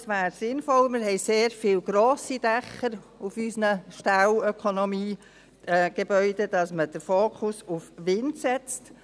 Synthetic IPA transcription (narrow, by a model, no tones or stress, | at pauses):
sʋæːɾsɪnfɔlmɪɾɦɛɪseːɾfɪːlɡ̥ɾoːsid̥ɛχəɾ | ufysnəʃtalœkʰɔnɔmiː | ɡ̥ebœʏd̥ed̥ɑsməd̥əɾfoːkʰʊsufʋɪndsɛt͡st